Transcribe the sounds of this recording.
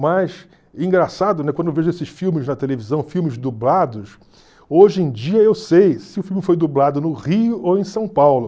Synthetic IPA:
majs | ẽŋɡɾasad̪ʊnɛkwɐ̃d̪ewveʒʊesɪʃfiwmɪznɐt̪elevizɐ̃w̃fiwmɪzd̪ublad̪ʊs | oʒẽj̃d͡ʒiɐewsejsɪʊfiwmɪfojd̪ublad̪ʊnʊʁiʊowẽj̃sɐ̃w̃pawlʊ

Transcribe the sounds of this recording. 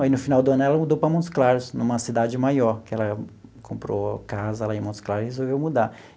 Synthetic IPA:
inʊfinawd̪ʊɐ̃nʊɛlɐmud̪owpɾɐmõt̪sklaɾʊsnũmɐsid̪ad͡ʒɪmajɔɾkɪɛlɐkʰõmpɾo̰kazɐlaẽmõt̪sklaɾʊɪhezowvewmud̪a

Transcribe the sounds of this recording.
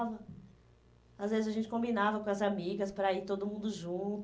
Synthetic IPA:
vɐ | azvezɪzɐʒẽnt͡ʃɪ̥kõmbinavɐkõɐzamiɡɐspɾɐit̪od̪ʊmũnd̪ʊʒũt̪

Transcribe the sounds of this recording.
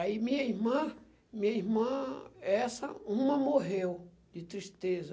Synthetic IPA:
aimĩɲɐiɦmɐ̃ | mĩɲɐiɦmɐ̃ɛsɐũmɐ̃moɦew | d͡ʒɪt̪ɾist̪ezɐ

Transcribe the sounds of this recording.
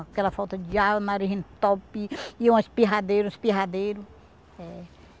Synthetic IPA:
akɛlɐfɔwt̪ɐd͡ʒiawɐnaɾiɦẽt̪ɔpiiũispiɦad̪ejɾũspiɦad̪ejɾʊ | ɛ

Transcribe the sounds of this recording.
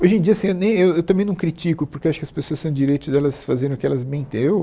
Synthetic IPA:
ojʒẽd͡ʒiɐasĩewnẽj̃ewewt̪ɐ̃mẽj̃nɐ̃w̃kɾit͡ʃikʊpʊɾkewaʃʊ̥kɪɐspesoɐst̪ɐ̃w̃d͡ʒiɾejt̪ʊd̪ɛlɐsfazeɾ̃ʊkɪɛlɐzbẽj̃t̪ẽew

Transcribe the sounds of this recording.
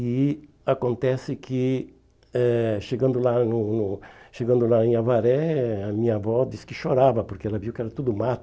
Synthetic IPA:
i | akõnt̪ɛsɪkʰɪ | ɛʃeɡɐ̃nd̪ʊlanʊnʊʃeɡɐ̃nd̪ʊlaẽavaɾɛamĩɲɐavɔd̪iskɪʃoɾavɐpoɾkeɛlɐviwkɪɛɾɐt̪ud̪ʊmat̪

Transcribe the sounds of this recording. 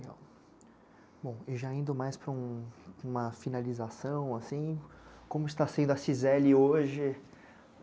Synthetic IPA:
ɡa̰ | bõw̃ɪʒaĩnd̪ʊmajspɾɐũũmɐfinalizasɐ̃w̃asĩ | kõmʊɪst̪asẽnd̪ʊɐsizɛlɪoʒɪ

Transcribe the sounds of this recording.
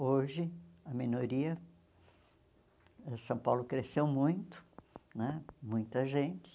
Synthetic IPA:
oʒɪɐminoɾiɐ | ɛsɐ̃w̃pawlʊkɾesewmũj̃t̪ʊ̥nɛmũj̃t̪ɐʒẽnt͡ʃɪ̥

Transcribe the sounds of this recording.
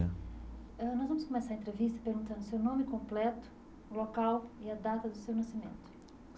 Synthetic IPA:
ɛnɔzvɐ̃mʊskõmesaɾɐẽnt̪ɾevist̪ɐpeɾɡũt̪ɐ̃nʊsewnõmɪkõmplɛt̪ʊ̥ | lokawiɐd̪at̪ɐd̪ʊsewnɐsimḛ̃nt̪ʊ̥

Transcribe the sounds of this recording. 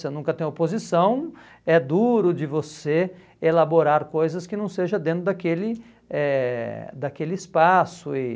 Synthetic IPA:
senũkɐt̪ẽj̃opozisɐ̃w̃ | ɛd̪uɾʊd͡ʒɪvose | elaboɾaɾkojzɐskɪnɐ̃w̃seʒɐd̪ẽnt̪ɾʊd̪akelɪ | ɛd̪akelɪɪspasʊɪ

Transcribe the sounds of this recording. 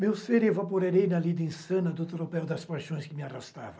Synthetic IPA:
mewseɾevapoɾeɾejnɐlid̪ẽsɐ̃nɐd̪ʊt̪ɾopɛwd̪ɐspajʃõj̃skɪmɪarast̪a̰vɐ̃

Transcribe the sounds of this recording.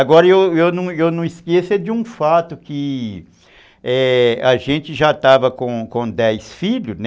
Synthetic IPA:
aɡɔɾɐewewnɐ̃w̃ewnɐ̃w̃iskesɐd͡ʒɪũfat̪ʊkɪ | ɛɐʒẽnt͡ʃɪʒat̪avɐkõkõd̪ɛjsfiʎʊn

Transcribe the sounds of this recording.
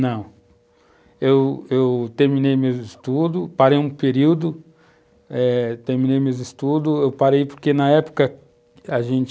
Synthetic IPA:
nɐ̃w̃ | ewewt̪eɾmĩnejmewɪst̪ud̪ʊpaɾejũpeɾiwd̪ʊ | ɛt̪eɾminejmewist̪ud̪ʊewpaɾejpoɾkenɐɛpʊ̥kɐ | aʒẽnt͡ʃ

